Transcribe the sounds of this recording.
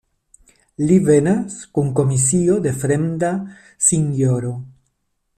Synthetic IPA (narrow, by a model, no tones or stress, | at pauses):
livenaskuŋkomisiod̪efɾemd̪a | siŋjoɾo